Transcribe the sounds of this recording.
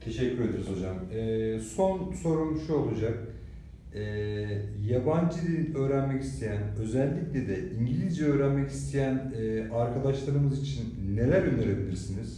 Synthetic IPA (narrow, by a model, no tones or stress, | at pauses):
t̪ʰe̞ʃɛcʰːyɾe̞d̪eɾizo̞d͡ʒamɛːso̞nso̞ɾunʃuo̞lˠud͡ʒak̚ | ɛ | jaband͡ʒɯd̪ʲinø̞ːɾænmɛci̥st̪ʰejænø̞zɛlʲːiclʲed̪ɛiɲɟilʲizd͡ʒɛø̞ːɾænmɛci̥st̪ʰejæn | ɛaɾkʰad̪aʃlˠaɾɯmɯzit͡ʃʰinːe̞lʲæɾjøneɾebilʲiɾsiniz̥